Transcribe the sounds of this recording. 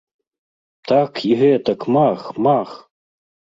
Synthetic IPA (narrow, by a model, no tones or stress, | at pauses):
t̪ʰakʰiɦɛt̪ɐkmaxmax